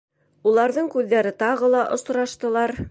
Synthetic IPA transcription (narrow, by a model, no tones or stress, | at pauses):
ulˠɑɾðɤɴkʉðːæɾɘt̪ɑʁɤlˠɑʔŏs̆ɾɑʃt̪ɤ̆lˠɑɾ